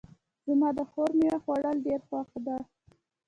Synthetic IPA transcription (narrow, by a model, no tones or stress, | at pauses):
zəmɑd̪əxoɾmiwaxwaɽəlɖeɾxwɑxd̪a